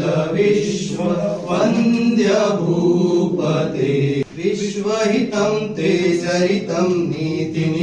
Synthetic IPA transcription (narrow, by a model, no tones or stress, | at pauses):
ɐʋiʋɐʋɐnd̪jɐbʱuːpɐt̪eːɾiʂʋɐɦit̪ɐmt̪eːt͡ʃɐɾit̪ɐmniːt̪in